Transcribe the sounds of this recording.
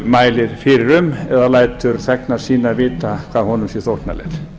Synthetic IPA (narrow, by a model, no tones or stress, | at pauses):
majlɪɾfɪɾɾʏmɛðalajt̪ʏɾθɛknḁsiːnavɪːt̪akʰvaːhɔnʏmsiθot̪na̰lɛ̰ɾ̥